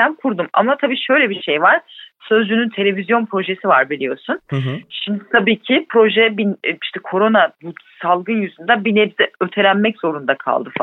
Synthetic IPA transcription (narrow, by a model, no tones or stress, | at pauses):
ænkʰuɾd̪uma̰mat̪ʰabiːʃø̞jlʲɛbiʃejvaɾ̥sø̞zd͡ʒynynt̪ʰe̞lʲe̞vizjo̞npʰɾo̞ʒe̞sivaɾbilʲijo̞sunʃimd̪it̪ʰabiːcʰipʰɾo̞ʒɛbiiʃt̪ʰɛkʰo̞ɾo̞nabusalˠɡɯnjyzund̪abineɾzɛøt̪ʰe̞lʲænmɛczo̞ɾund̪akʰa̰lˠd̪ɯfa